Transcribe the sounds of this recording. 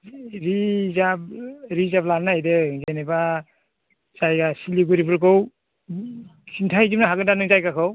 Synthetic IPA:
ɾizab̚ɾizablannajdɯzeneba | zajɡasiliɡuɾibɯɾkɯw | kʰintʰajzimnaɦaɡɯndanɯŋzajkakʰɯw

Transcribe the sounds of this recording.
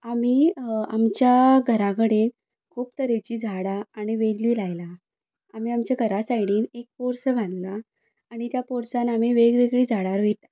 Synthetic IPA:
am̤iːamt͡ɕjaɡʱəɾakəɽen | kʰuːpt̪əɾet͡ɕiːd͡zʱaɽaːɽ̃iʋeɽliːlajla | am̤iːamt͡ɕaɡʱəɾasajɽiːnek̚poɾsəbʱãnla | aɽ̃it̪japoɾsanamiːʋeɡʋeɡɭiːd͡zʱaɽaɾʋet̪a

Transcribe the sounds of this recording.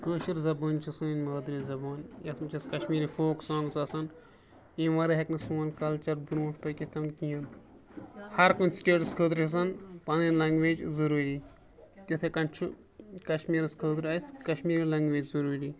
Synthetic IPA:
kəːʃiɾzɐboːnt͡ʃʰisɨinmɐːd̪ɾizɐbaːnjɐt̪ʰmt͡ʃʰiskɐʃmiːɾifoːksãːŋɡsɐsɐn | ĩʋɐɾɐɦɐknɨsuːnkɐlt͡ʃɐɾbuɾũːspɐkʲit̪ʰɐmnkʲijɐn | hɐɾkunsʈeːʈɐskʰəːd̪ɾt͡ʃʰs̬ɐnpɐninlɐŋɡʋeːd͡ʒzɐɾuːɾiː | t̪ʲɐt̪ʰekɐnt͡ʃʰu | kɐʃmiːɾɨskʰəːd̪ɾɐjskɐʃmiːɾiːlɐŋɡʋeːd͡ʒzɐɾuːɾiː

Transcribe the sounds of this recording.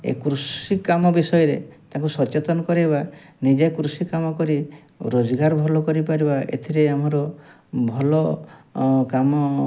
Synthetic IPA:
ḛkɾusikamɔbisɔjɔɾet̪aŋkusɔt͡ʃet̪ɔnɔkɔɾiɦeβa | nid͡ʒekɾusikamɔkɔɾi | ɾod͡ʒɔɡaɾɔbʱɔlɔkɔɾipaɾibaʔḛt̪ʰiɾeamɔɾɔ | bʱɔlɔ | kamɔ

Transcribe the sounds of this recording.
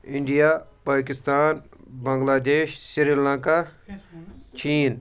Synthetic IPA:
ɪɳɖijaːpaːkɪst̪aːnbɐŋɡlaːd̪eːʃsiɾilãŋka | t͡ʃiːn

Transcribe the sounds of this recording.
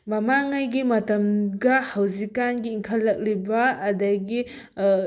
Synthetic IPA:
mɐmaŋajɡimɐtɐmɡɐhɐwzikːanɡiːŋkʰɐlːɐk̚libɐːdɐɡi

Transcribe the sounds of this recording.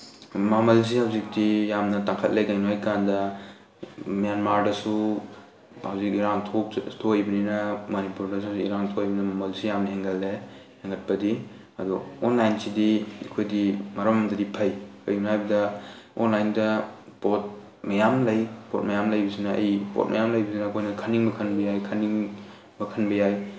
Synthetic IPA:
mamɐls̬ihawzik̚dijamnɐtaŋkʰɐt̚lekajnuajkandɐ | mijanmaɾdɐsu | hawzik̚iɾaŋtʰotʰojbɐninɐmɐnipuɾdɐshawzikiɾaŋtʰojbɐnɐmamɐlsijamnɐɦeŋɡɐlːe | heŋɡɐt̚pɐdi | ɐ̰duɔnlajnsidiikʰojdimɐɾamamdɐdipʰɐjkʰɐjunajbɐdɐɔ̰nlajndɐpot̚ | mɐjamlɐjpʰot̚mɐjamlɐjbisinɐɐ̰jpo̰t̚mɐ̰jamlɐjbisinɐkʰojnɐkʰaniŋbɐkʰɐnbɐjajkʰaniŋ | bɐkʰɐnbɐjaj

